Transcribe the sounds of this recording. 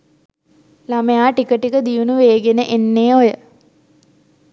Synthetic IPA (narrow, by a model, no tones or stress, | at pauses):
laməjaːʈikəʈikəd̪ijunuʋeːɡenəʔenːeːojə